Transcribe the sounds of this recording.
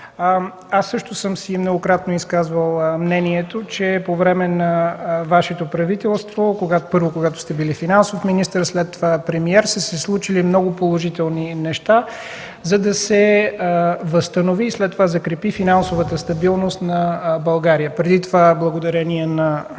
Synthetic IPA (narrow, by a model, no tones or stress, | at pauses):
asːɤʃt̪ʊsɤmsimnoɡokɾat̪noiskazvəlˠmnɛniɛt̪ot͡ʃɛpovɾɛmɛnɐvaʃɛt̪opɾɐvit̪ɛlˠst̪vokoɡatpɤɾvokoɡat̪o̥st̪ɛbilifinansofminist̪əɾslɛt̪ːovapɾɛmiɛɾst̪ɛsɛslˠut͡ʃilimnɔɡopolˠoʒit̪ɛlˠninɛʃt̪a | zɐd̪ɐsɛ | vəst̪ənoviːslɛt̪ːovazɐkɾɛpifinansovət̪əst̪ɐbilˠnost̪nɐbɐlˠɡaɾijəpɾɛd̪it̪ovablˠəɡod̪ɐɾɛniɛnɐ